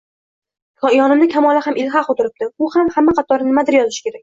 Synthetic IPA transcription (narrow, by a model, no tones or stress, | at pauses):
kʰɒjɒnɪmnɪkʲʰamɒlˠahamɪlɦaqot̪ʰɪɾɪp̚t̪ɪʊhamhamːaqʰɑt̪ʰɒɾnɪɪmad̪ɪɾjɒzɪʃɪ̥kʲe̞ɾakʲ